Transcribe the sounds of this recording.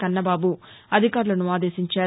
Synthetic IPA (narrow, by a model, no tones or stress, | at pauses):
kɐnːɐbaːbuɐd̪ʱikaːɾulɐnuaːd̪e̞ːsiɲt͡ʃaː